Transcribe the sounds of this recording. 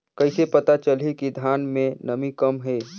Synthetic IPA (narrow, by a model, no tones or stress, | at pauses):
kəɪsepət̪at͡ʃəlikid̪ʱjaːnmẽnəmikəmɦɛː